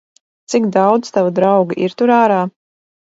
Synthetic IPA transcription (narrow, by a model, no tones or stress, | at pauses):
t̪siɡd̪awd̪zt̪avad̪ɾawɡaʔiɾt̪uɾaːɾaː